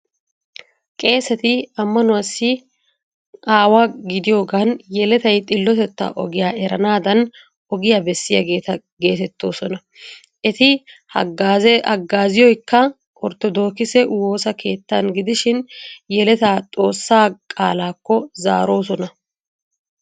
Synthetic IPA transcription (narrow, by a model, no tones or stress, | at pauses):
kʼe̞ːsɐt̪ɪɐmːɐnʊwɐsːɪ | aːwaɡɪd̪ɪjo̞ːɡanjɛlɛt̪ɐjt̪ʼɪlːɔt̪ɛt̪ːɐ̰ʔɔɡɪjaːʔɛɾɐnaːd̪ɐn | ɔɡɪjaːbɛsːɪja̰ɡe̞ːt̪ɐ | ɡe̞ːt̪ɛt̪ːo̞ːsɔnɐ | ʔɛt̪ɪhɐɐ̰ɡːaːzɪjɔjkːɐ | ʔɔɾt̪ːɔd̪o̞ːkɪsɛwoːsɐkʰe̞ːt̪ːanɡɪd̪ɪʃɪnjɛlɛt̪aːt̪ʼo̞ːsːaːkʼa̰ːlaːkːɔza̰ːɾo̞ːsɔnɐ